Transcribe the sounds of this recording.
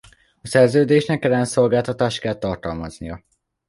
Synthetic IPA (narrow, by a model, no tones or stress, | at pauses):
ɒsɛrzøːd̪eːʃnɛkɛlːɛnnso̞lɡaːlt̪ɒt̪aːʃt̪kɛlt̪ɒrt̪ɒlmɒznijɒ